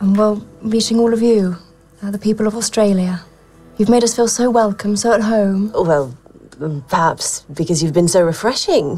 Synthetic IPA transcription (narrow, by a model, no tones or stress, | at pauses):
wɛlˠɹiˑt͡ʃɪ̃ŋɔːlˠʌvjɨ | əðəpʰiˑpəlˠʌvɔstɹ̥eɪlˠjə | jʉvmeɪɾʌsfiːlˠsoʊwɛlˠkʰə̃msoʊət̚ɦõʊ̃mwɛlˠ | pʰə˞hæpsb̥ɨkʌzjʉvbɨ̃nsoʊɹɨfɹɛʃɪ̃ŋ